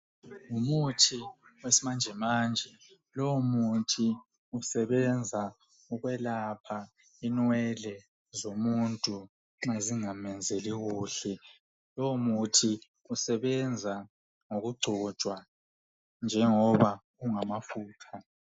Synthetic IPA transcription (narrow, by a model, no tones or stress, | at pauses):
ŋumutʰiwesimand͡ʒʱɛmaːnd͡ʒʱɛ | lomutʰi | usɛβɛnd͡zʱa | uɣwɛlapʰa | inwɛlɛ | zomuntʼu | ŋ͡ǁaziŋamɛnd͡zʱeliɣuːɬɛ | lɔmutʰi | usɛβɛnd͡zʱa | ŋoɣuɡ͡ǀʱɔ̥ʒ̥ʱwa | nd͡ʒʱɛŋɔβa | uŋamafuːtʰa